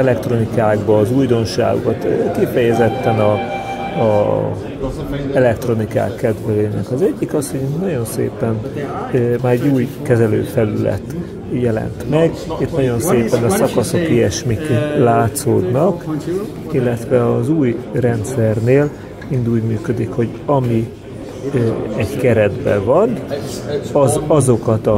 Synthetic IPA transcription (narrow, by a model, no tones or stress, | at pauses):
ɛlɛkt̪ro̞nikaːɡbɒːzuːjd̪o̞nʃa̰ːɡo̰kɒt̪kifɛjɛzɛt̪ːɛnɒ | ɛlɛkt̪ro̞nika̰ːkːɛd̪ʋɛløːnɛkɒzɛɟːikɒsho̞ɟnɒɟo̞nsḛːpɛn | maːɾɛɟːuːjkɛzɛlø̰ːfɛlylɛ̰t̪ | jɛlɛ̰nt̪mɛɡ | it̪nɒɟo̞nseːpɛnɒsɒkɒso̞kiɛʃmiklaːt̪soːd̪nɒk | ilːɛt̪ʋɛɒzuːjrɛnt̪sɛrneːl | ind̪uːɟmyːkød̪ikho̞ɟ | ɒmi | ɛɟkɛɾɛd̪bɛ̰vɒn | ɒzɒzo̞kɒt̪ɒ